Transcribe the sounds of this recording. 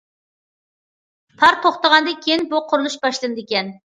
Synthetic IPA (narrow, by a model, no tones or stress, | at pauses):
pʰɑɾt̪ʰoχt̪əʁɑnd̪ɨnkʲʰijinbuqʰʊɾulˠuʃbɑʃlˠɨnɨd̪ɪkʲɛn